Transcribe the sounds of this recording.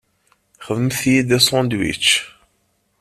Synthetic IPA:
χəvəmθjid̪æsˤɔ̃nd̪wḭt͡ʃː

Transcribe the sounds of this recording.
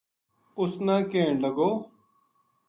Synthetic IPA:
ʊsnãːkeːɳləɡoː

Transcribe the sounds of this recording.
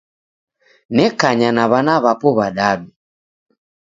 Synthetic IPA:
nɛkaɲanaβanaβapɔβaɗaɗu

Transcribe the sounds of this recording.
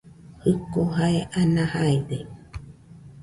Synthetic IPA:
hɯkoɦaeʔanãhaed̪e

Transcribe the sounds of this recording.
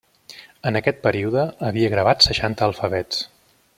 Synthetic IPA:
ənəkɛt̪̚pəɾiuðəːβiəɣɾəβat̪səʃant̪əːlˠfəβɛt͡s

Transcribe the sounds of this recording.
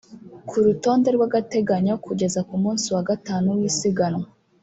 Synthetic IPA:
kʰuɾuto̞ːnde̞ɾɡwaɡate̞ɡaɲokuɟe̞zakumuːnsiwaɡataːnuwisiɡano

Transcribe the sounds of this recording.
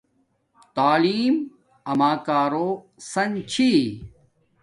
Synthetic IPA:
t̪aːliːm | ɐmaːkaːɾoː | sɐnt͡ɕʰi

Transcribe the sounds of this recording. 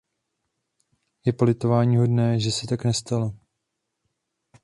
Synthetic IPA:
jɛpo̞lɪt̪o̞vaːɲiːɦo̞dnɛːʒɛsɛt̪aknɛst̪alo

